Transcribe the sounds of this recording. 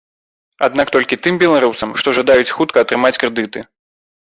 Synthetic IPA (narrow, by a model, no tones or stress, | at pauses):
ad̪nakt̪ɔlʲkʲit̪ɨmbʲɛlˠaɾusɐmʂt̪ɔʐad̪ajut͡sʲxut̪kɐːt̪ɾɨmat͡sʲkɾɛd̪ɨt̪ɨ